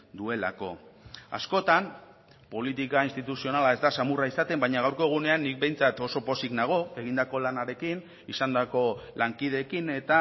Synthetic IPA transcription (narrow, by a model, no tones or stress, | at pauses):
d̪ue̞la̰ko̞a̰sko̞t̪am | po̞lit̪ikainst̪it̪usio̞nalae̞zd̪asamuraisat̪e̞mbajɲaɣ̞awɾko̞ɣ̞une̞anːik̚be̞jnt͡sat̪o̞so̞po̞siknaɣ̞o̞e̞ɣind̪ako̞lanaɾe̞kin | isand̪ako̞laŋkiðe̞kine̞t̪a